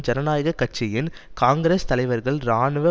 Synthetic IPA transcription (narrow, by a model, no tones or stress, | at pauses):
d͡ʒɐɾɐnaːjɐɣɐkːɐʈ̚t͡ʃɪjɪnkaːŋɡɪɾeːst̪ɐlɐɪʋɐɾɣɐɭɾaːɳɯʋɐ